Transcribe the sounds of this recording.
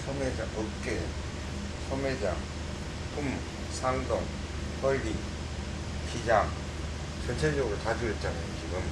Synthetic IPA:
sʰʌmed͡ʑa̰ʔʌk͈e | sʰʌmed͡ʑa̰ | pʰum | sʰandoŋ | hʰʌɭːi | pʰid͡ʑaŋ | t͡ɕʌnt͡ɕʰed͡ʑʌɡɯɾot͡ɕad͡ʑuit͡ɕ͈anɯkiɡɯm

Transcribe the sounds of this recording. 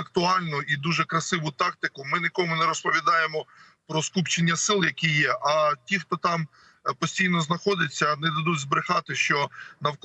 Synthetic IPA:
ɐk̚t̪ʊɑlʲnʊid̪uʒɛkɾɐsɪʋʊt̪ɑk̚t̪ɪkʊmɪnʲɪkɔmʊnɛɾɔspɔʋʲid̪ɑjemɔ | pɾɔskupt͡ʃenʲːɐsɪlˠjɐkʲijɛʔɐtʲixt̪ɔt̪ɑm | pɔsʲtʲijnɔznɐxɔd̪ɪt͡sʲːɐnɛd̪ɐd̪udʲzbɾɪxɑt̪ɪʃt͡ʃɔnɐwk

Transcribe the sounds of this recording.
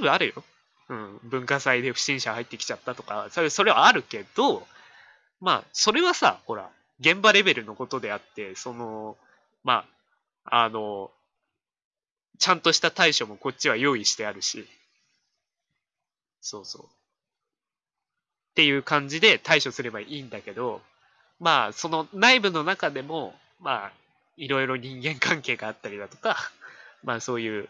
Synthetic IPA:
bɯaɾɯ̟jo̞̰ | ɯ̟̃ɴbɯ̟̃ŋkasaid̪e̞ɸɯ̟ɕĩɰ̃ɕahait̪ːe̞kʲi̥t͡ɕat̪ːat̪o̞kasoso̞ɾe̞βaːɾɯ̟ke̞d̪̥o | ma̰so̞ɾe̞βasa̰ho̞ɾa̰ | ɡẽ̞mbaɾe̞be̞ɾɯ̟no̞ko̞t̪o̞d̪e̞at̪ːe̞so̞no̞ | ma | ano̞ | t͡ɕãnt̪o̞ɕi̥t̪at̪aiɕo̞mo̞ko̞t͡ɕːiβajo̞ːiɕi̥t̪e̞aɾɯ̟ɕi | so̞ːso̞̰ː | t̪e̞jɯ̟ːkãɲ̟d͡ʑid̪e̞t̪aiɕo̞sɨɾe̞baʔiːnd̪ake̞d̪o̞ | maːso̞no̞naibɯ̟no̞nakad̪e̞mo̞ | ma | iɾo̞iɾo̞ɲ̟ĩŋɡẽ̞ŋkʰãŋke̞ːɡaːt̪ːaɾʲid̪at̪o̞̥kamaso̞ːjɯ̟ː

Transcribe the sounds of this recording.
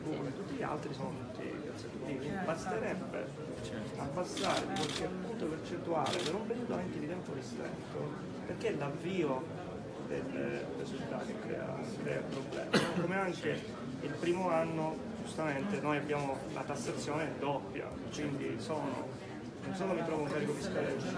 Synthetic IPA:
b̪unet̪ut̪ːiʎa̰lt̪ɾisɔnot̪ut̪ːḭka̰se | iːibast̪eɾɛbːḛ | abːast̪aːɾḛpoɾkepːunt̪opert͡ʃent̪ua̰ːlepeɾoumpeɾuːt̪oaŋk̟ed̪it̪ɛmporist̪ɛ̰nt̪o | perk̟elavːiːo | d̪ḛlːḛrisult̪a̰ːt̪ekːɾɛ̰ːa̰ | kːɾɛ̰ːapɾoblɛ̰ːmakomeaŋk̟e | ilpɾiːmoanːo | d͡ʒust̪ament̪enojabːjaːmolʔa̰t̪asːat̪sːjoːned̪opːja̰ | kwind̪ḭsoːno̰ | nonsoːnomit̪ɾɔːvauŋkaːɾikod̪ist̪aɾɛ

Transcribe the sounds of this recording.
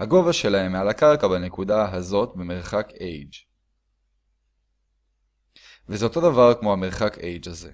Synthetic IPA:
haɡo̞vaʃe̞laɦe̞mːealakaʁkabanekudaɦazo̞t̪beme̞ʁχakejd͡ʒ | vezeo̞to̞d̪avaʁkmo̞hame̞ʁχakejd͡ʒaze̞̰

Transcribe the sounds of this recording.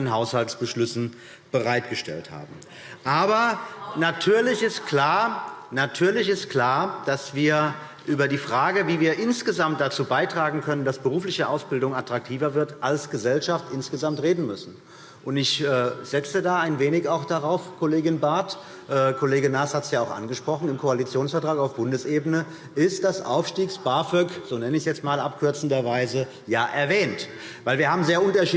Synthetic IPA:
ənɦaʊshalsb̥əʃlʏsn̩ | b̥əʁaɪtɡ̥əʃtɛ̰ltha̰ːbm̩ | ʔaːbɐnatʰyːɐlɪçɪst̚kʰl̥aːɐnatʰyːɐlɪçɪst̚kl̥aːɐd̥asv̥iːɐ | ʔyːbɐdiːfʁ̥aːɡəviːviːɐʔɪnsɡ̥əzamt̚d̥at͡suːbaɪtʁ̥aːɡŋ̩kʰœnəndasb̥əʁuːflɪçəʔaʊsb̥ɪldʊŋatʁ̥ak̚tʰiːvɐvɪɐtʔalsɡ̥əzɛlʃaftʔɪnsɡ̥əzamtʁeːdn̩mʏsn̩ | ʔʊntɪçʔɛːz̥ɛt͡sədaːaɪnveːnɪçaʊxd̥aʁaʊfkʰoleːɡɪnbaɐt | ʔɛːkʰoleːɡənaːshatsjaːaʊxʔa̰nɡəʃpʁ̥ɔχn̩ɪmkʰoalit͡sjoːnsfɛɐtʁ̥aːkaʊfb̥ʊndəsʔeːbənə | ɪst̚d̥asʔa̰ʊfʃtiːksb̥aːfœkz̥oːnɛnəɪçsjɛt͡stmaːlʔapkʰʏɐt͡sn̩dɐvaɪzə | jaːʔɛɐvɛːnt | vaɪlviːɐhaːbm̩zeːɐʔʊntɐʃiː

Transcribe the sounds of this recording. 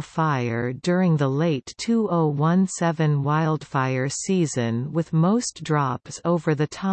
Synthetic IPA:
faɪə˞dʊɹɪ̃ŋðəleɪtʰuoʊwʌ̃nsɛvɨ̃nwaɪlˠd̥faɪə˞sizɨ̃nwɨðmoʊsd̥ɹɑpsoʊvə˞ðɨtʰã

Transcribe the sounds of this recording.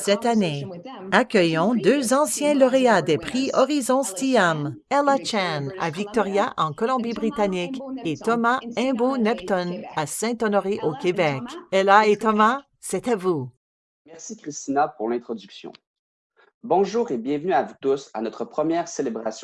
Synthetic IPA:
sɛt̪ane | akʲœjɔ̃d̪øzɑ̃sjɛ̃lɔʁead̪ɛpχiɔʁizɔ̃st̪iam | ɛlat͡ʃɛna̰vik̚t̪ɔʁjaʔɑ̃kɔlɔ̃bibʁit̪aniket̪ɔmaɛ̃bonɛpt̪ɔnasɛ̃t̪ɔnɔʁeʔokʲebɛkɛlaet̪ɔma | sɛt̪avu | mɛʁsikʲʁist̪inapuʁlɛ̃t̪χɔd̪yksjɔ̰̃ | bɔ̃ʒuːʁebjɛ̃vnyavut̪usa̰nɔt̪χəpχəmjɛːʁselebʁasj̃

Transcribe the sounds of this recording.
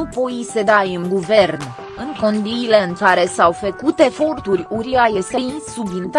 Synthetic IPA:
upo̞ise̞d̪ajɨŋɡuve̞rn | ɨŋko̞nd̪iile̞ɨŋkaɾe̞sawfəkut̪e̞fo̞rt̪urʲuɾiajest̪e̞insubd̪int̪

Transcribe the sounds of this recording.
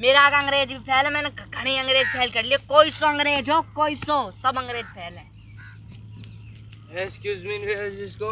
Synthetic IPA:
meːɾaaːɡɐ̃ŋɡɾeːd͡ʒbipʰɛːlɛmɛ̃ːneɡʱɐɽ̃iːɐ̃ŋɡɾeːd͡ʒpʰɛːlkɐɾliokoːisoɐ̃ŋɡɾeːd͡ʒokoːisoːsɐbɐ̃ŋɡɾeːd͡ʒpʰeːlɛ̃ | eskjuːzminʋeisko

